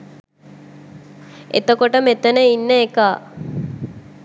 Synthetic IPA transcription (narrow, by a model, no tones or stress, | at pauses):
ḛt̪okoʈəmet̪ənəinːəekaː